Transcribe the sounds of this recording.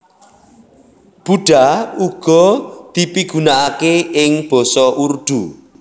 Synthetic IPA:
b̥uɖ̥auɡ̥ɔ̤d̪̥i̤piɡ̥ṳnaʔakeɪŋb̥ɔsɔʔurd̪̥u

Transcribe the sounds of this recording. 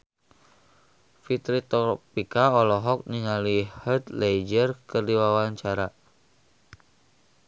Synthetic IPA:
fit̪ɾit̪ɔpikaɔlɔɦɔk̚niŋalihət̪lejd͡ʒərkərdiwawaɲt͡ʃaɾa

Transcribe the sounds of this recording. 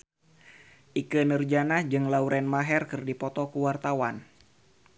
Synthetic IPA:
ʔikənərd͡ʒanahd͡ʒɨŋlauɾʔɛnmaɦɛrkɨrdipɔt̪ɔkuwart̪awan

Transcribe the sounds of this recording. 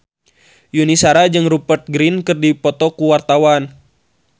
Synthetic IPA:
junisaɾad͡ʒɨŋrupərt̪̚ɡɾinkɨrdipɔt̪ɔkuwart̪awan

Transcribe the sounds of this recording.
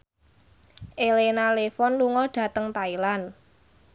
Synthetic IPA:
ʔelenalefɔnluŋɔɖ̥ä̤t̪əŋt̪ailan

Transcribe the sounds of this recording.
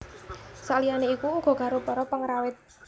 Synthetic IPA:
saʔlianeikuuɡ̥ɔ̤ɡ̥ä̤ɾupɔɾɔpəŋɾawɪt̪̚

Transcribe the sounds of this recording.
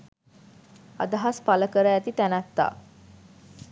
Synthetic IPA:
a̰d̪aɦaspaləkəɾəæt̪it̪ænæt̪ːa̰ː

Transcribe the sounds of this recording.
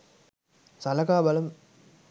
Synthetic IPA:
sɐlɐkaːbɐlɐm

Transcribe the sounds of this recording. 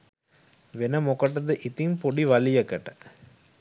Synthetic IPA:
ʋenɐmokɐʈːɐd̪ɯʔit̪impoɽiʋɐlijɐkɐʈːɐ

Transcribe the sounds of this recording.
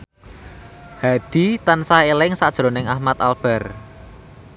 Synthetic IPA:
had̪̥i̤t̪ansaelɪŋsaʔd̥ʒ̥ɾonɪŋahmat̪alb̥ɛ̤r

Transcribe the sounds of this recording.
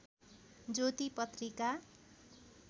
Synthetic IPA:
d͡zot̪ipʌt̪rika

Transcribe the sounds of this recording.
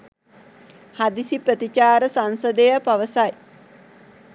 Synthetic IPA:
had̪isiprət̪it͡ʃaːɾəsansəd̪əjəpaʋəsaj

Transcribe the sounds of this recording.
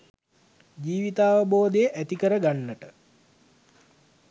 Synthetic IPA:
d͡ʒiːʋit̪aːʋəboːd̪əjəʔæt̪ikəɾəɡanːəʈə

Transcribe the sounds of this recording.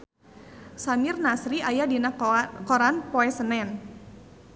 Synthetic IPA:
samɪrnasɾiajadinakɔɾanpoɛsənɛn

